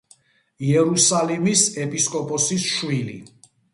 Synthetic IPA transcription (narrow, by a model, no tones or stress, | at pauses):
iɛɾusalimisɛpʼiskʼɔpʼɔsisʃwilḭ